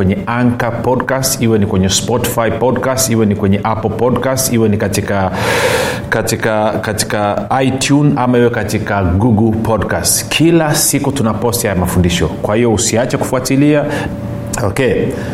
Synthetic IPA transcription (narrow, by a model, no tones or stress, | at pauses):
wɛɲɛaŋkapɔdkastiwɛnikwɛɲɛspɔti̥faipɔdkastiwɛnikwɛɲɛʔapɔlpɔdkastiwɛnikatika | katikakati̥kaaitʰjunamaiwɛkatikaɡuɡlpʰɔdkastkʰilasikutunapɔstihajamafundiʃɔ̰kwahijɔusiat͡ʃɛku̥fuatilia | ɔkɛ